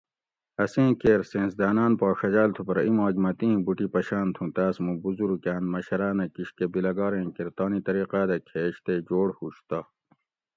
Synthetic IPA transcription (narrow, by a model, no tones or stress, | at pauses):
ɐsẽːkeːɾsẽːnsd̪aːnaːnpaːʂɐd͡ʑaːlt̪ʰupɐɾɐĩmaːɡmɐt̪ĩːbuʈipɐɕaːnt̪ʰũt̪aːsmũbuzuɾukaːnmɐɕɐɾaːnɐkiɕkebilɐɡɑːɾẽːkeɾt̪aːnit̪ɐɾiːqaːd̪ɐkʰeːɕt̪ed͡ʑoːɽhuɕt̪aː